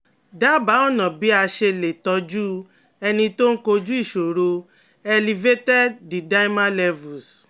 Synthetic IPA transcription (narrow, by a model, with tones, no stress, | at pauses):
da˦˨ba˨˦ɔ˦˨nɔ̃˨bi˨˦a˧ʃe˧le˨tɔ˧d͡ʒu˦ | ɛ˧nĩ˧to˦ŋ̩˦ko˧d͡ʒu˦i˦˨ʃo˨ɾo˧ | ɛ˧li˨ve˦tɛ˦di˨da˦i˦mã˦lɛ˧vu˨s